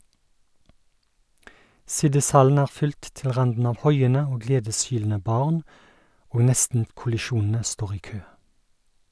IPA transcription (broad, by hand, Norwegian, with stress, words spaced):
ˈsɪdɪsˌhɑln̩ ˈæːʁ ˈfʏlt ˈtɪl ˈʁɑndn̩ ˈɑːʋ ˈhɔʏənə ˈoː ˈɡleːdəsˌhyːln̩ə ˈbɑːʁn ˈoːɡ ˈnɛstn̩kʊlɪˌʃuːnn̩ə ˈstoːʁ ˈiː ˈkøː